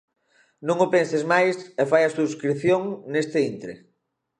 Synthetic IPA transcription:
nõŋopẽnsezmajsɛfajɐsuskɾiθjoŋnest̪ɪint̪ɾḛ

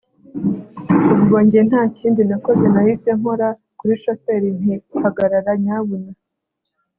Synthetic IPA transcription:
uβɡo̞ːɲɟejen̥haːciːndinako̞ze̞nahiseŋho̞ɾa | kuɾiʃote̞ɾin̥hihaɡaɾaɾaɲaβuna

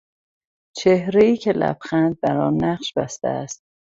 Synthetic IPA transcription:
t͡ʃʰe̞hɾe̞iːcʰe̞læ̰bxænd̪̚bæɾɒːnːæʁʃbæst̪æ̰æst̪̚

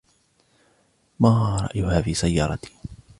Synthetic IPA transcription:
maːɾˤɑ̰ʔjʊhaːfiːsajːɑːɾˤɑt̪i̥

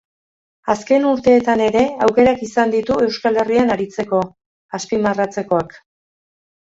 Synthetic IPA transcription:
aske̞nuɾt̪e̞ːt̪ane̞ɾe̞awke̞ɾakisand̪it̪ue̞wskale̞rianaɾit͡se̞ko̞ | aspimarat͡se̞ko̞ak

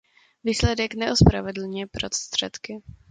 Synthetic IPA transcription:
viːslɛdɛknɛʔospɾavɛdl̩ɲɛpɾost̪r̥ɛt̪kɪ

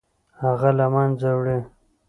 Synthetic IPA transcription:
haɣalamanzawɽi

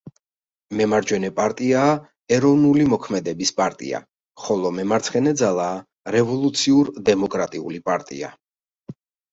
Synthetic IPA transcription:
mɛmaɾd͡ʒwɛnɛpʼaɾt̪ʼiaː | ɛɾɔvnulimɔkʰmɛd̪ɛbispʼaɾt̪ʼḭa̰ | χɔlˠɔmɛmaɾt̪sʰχɛnɛd̪zalˠaː | ɾɛvɔlˠut̪sʰiuɾd̪ɛmɔkʼɾat̪ʼiṵlipʼaɾt̪ʼḭa̰

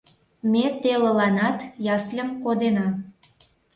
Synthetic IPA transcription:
met̪eləlɑnɑt̪jɑslʲə̆mkod̪enɑ

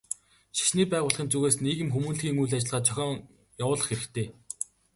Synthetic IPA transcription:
ʃi̥ʃniːpæːʁʊːɮχĭnt͡suɣeːsniːɣɘ̆mxumuːnɮxiːŋujɮat͡ɕɪ̆ɮʁaːt̪t͡ɕʰœxʲɔːŋ | jawʊːɮə̆χxeɾɘ̆xt̪ʰeː

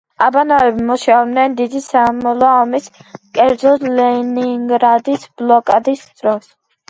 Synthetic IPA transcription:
abanavɛbimɔʃabnɛnd̪id̪isamɔlaːmiskʼɛɾd̪zɔlɛniŋɡɾad̪isblɔkʼad̪isd̪ɾɔs

